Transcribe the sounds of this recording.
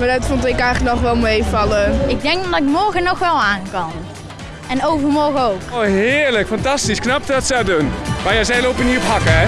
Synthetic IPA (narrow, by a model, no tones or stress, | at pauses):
madatfɔntɪkɛjχləknɔχʋɛlˠmejfɑlˠəɪɡ̚dɛŋkdmdɔɪkmɔɹɣənɔxʋɛlˠaːŋkɑn | ɛnowvərmɔrɣəowkoɦɪːɹləkfɑntɑstisknɑp̚təɑtsɛdunmajazɛjlowpəniɔpɦɑkəɛ